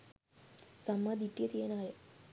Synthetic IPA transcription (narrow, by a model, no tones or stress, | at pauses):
samːad̪iʈːijət̪ijenajə